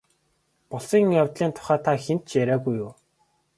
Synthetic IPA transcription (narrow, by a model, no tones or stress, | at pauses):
pɔɮsiːŋjawt̪ɮiːnt̪ʰʊ̥χæːt̪ʰaxent̪t͡ɕjæɾʲæːɣujʊː